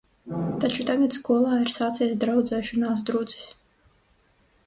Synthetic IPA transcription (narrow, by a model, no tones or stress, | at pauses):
t̪at͡ʃut̪aɡat̪skuɔlˠaːiɾsaːt̪siɛsd̪ɾawd̪zɛːʃɔnaːs̬d̪ɾud̪zi̥s